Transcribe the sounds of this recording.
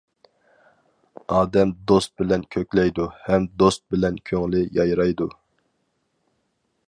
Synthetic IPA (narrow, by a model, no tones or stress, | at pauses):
ɑːd̪ɛmd̪ost̪̚bɪlɛnkʲʰøkʲlɛjd̪uhɛmd̪ost̪̚bɪlɛnkʲʰøŋlɪjɑjɾɑjd̪u